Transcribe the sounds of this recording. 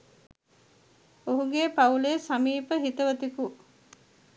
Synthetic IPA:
oɦuɡeːpɐuleːsɐmiːpəɦit̪ɐʋɐt̪iku

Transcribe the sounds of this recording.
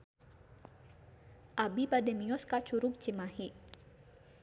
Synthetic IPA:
ʔabibadɛmiɔskat͡ʃuɾʊk̚t͡ʃimahiʔ

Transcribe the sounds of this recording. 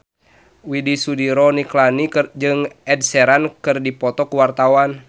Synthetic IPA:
widisudiɾɔniklanid͡ʒɨŋʔɛd̚sɛɾankɨrdipɔt̪ɔkuwart̪awan

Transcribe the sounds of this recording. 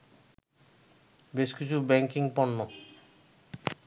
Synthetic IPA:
beʃkit͡ɕʰubɛŋkiŋpɔnːo

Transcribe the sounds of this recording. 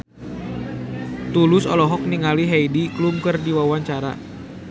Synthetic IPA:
t̪ulʊsɔlɔɦɔk̚niŋaliɦeidiklumkɨrdiwawaɲt͡ʃaɾa̰

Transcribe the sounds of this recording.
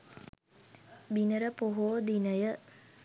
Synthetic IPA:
binəɾəpoɦoːd̪inəjə

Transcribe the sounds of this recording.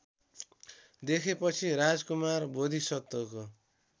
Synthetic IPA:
d̪ekʰepʌt͡sʰiɾad͡zkumarbod̪ʱisʌt̪ːoko

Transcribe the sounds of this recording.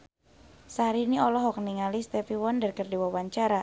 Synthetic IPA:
saɾiniɔlɔɦɔk̚niŋalist̪ɛfiwɔndarkərdiwawaɲt͡ʃaɾa

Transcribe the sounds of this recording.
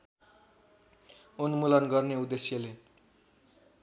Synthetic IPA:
onumulʌnɡʌrneud̪esjʌle

